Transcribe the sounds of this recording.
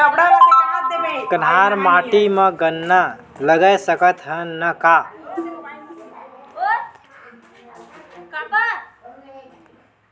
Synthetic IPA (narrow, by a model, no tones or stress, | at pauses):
kənɦaːɾmaːʈimə̃ɡənːaləɡəjsəkət̪ɦənːəkaː